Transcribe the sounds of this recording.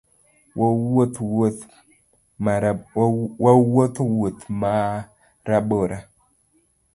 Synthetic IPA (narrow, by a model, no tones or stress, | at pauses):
wwot̪wot | ma | wawot̪wut̪ma | ɾaboɾa